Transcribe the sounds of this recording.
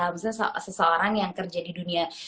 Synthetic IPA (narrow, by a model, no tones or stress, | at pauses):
ams̬assəsəoɾaŋjaŋkərd͡ʒadidunia